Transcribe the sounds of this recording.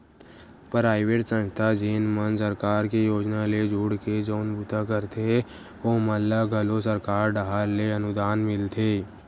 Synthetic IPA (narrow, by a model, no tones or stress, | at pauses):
pɾaːɪʋeːʈsə̃nt̪ʰad͡ʒiːnmənsəɾkaːɾkejoːd͡ʒnaled͡ʒuːɽked͡ʒoːnbʊt̪akəɾt̪ʰe | oːməlːaɡʱəlosəɾkaːɾɖaɦaɾleənʊd̪aːnmɪlt̪ʰeː